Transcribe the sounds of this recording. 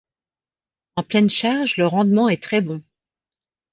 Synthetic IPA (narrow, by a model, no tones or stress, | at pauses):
ɑ̃plɛnʃaʁʒləʁɑ̃d̪mɑ̃ɛt̪χɛbɔ̃